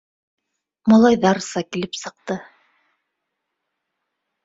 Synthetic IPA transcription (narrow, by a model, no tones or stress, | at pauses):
mɑlˠɑjðɑɾsɑkilɘpsɤ̆q̚t̪ɤ